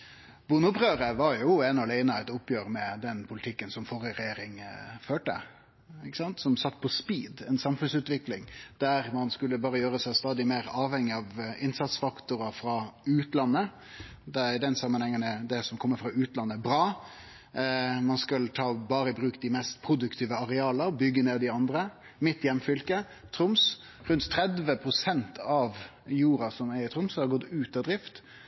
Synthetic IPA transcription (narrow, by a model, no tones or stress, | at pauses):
buːnəʊpɾøːɾəʋɑɾjʊɛnɔlæɪnəɑɛt̪ʊpːjøːɾmɛd̪ɛnpʰʊlɪt̪ʰɪkːənsɔmfɔɾəɾɛjeːɾɪŋføːʈə̰ | ɪkːə̥sɑnt̪sɔmsɑt̪ːpʰɔspiːd̪ɛnsɑmfʉnsʉːt̪ʋɪklɪŋd̪̥æɾmɑnskʉlːəbɑːɾəjøːɾəsæɪst̪ɑːd̪ɪmeːɾɑːʋhɛŋːɪɑʋɪnsɑt̪sfɑkt̪ʊɾɑfɾɑʉːt̪lɑnːə | d̪ɛd̪ɛnsɑmːənhɛŋːənɛd̪ɛsɔmkʰɔmːəɾfɾɑʉːt̪lɑnːəbɾɑː | mɑnskɑlt̪ʰɑːbɑːɾəbɾʉːkd̪ɪmɛst̪pʰɾʊd̪ʉkt̪ʰiːʋəɑɾɛɑːləbʏɡːəneːd̪ɪɑnd̪ɾə | mɪt̪ːjɛmfʏlkə | t̪ʰɾʊms | ɾʉnt̪t̪ʰɾɛd̪ʋəpʰɾʊsɛnt̪ʰɑʋ | juːɾɑsɔmæɾɪt̪ʰɾʊmshɑɾɡɔt̪ːʉːt̪ɑd̪ɾɪft̪